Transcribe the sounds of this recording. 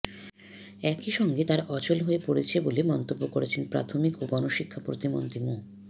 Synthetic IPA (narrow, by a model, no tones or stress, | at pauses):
ɛkiʃɔŋɡet̪aɾʔɔt͡ɕolɦoepoɽet͡ɕʰebolemɔnt̪obːokoɾet͡ɕʰenpɾa̰t̪ʰomikoɡɔnoʃikʰːapɾot̪imo̰nt̪ɾimo